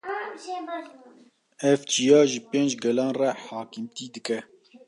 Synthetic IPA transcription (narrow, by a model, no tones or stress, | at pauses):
ɛvt͡ʃijɑːʒɨpẽːnd͡ʒɡɛlɑːnrɛħɑːkimt̪iːd̪ɨkɛ